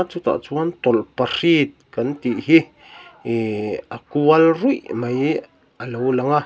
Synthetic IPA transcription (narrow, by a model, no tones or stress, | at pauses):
t͡sut̪a̰ʔt͡suwant̪olparit̪̚kant̪iʔɦi | akualrujʔmaj | alowlaŋa